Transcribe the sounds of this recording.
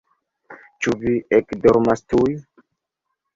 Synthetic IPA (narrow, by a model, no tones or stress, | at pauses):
t͡ʃuviekdɔɾmastuj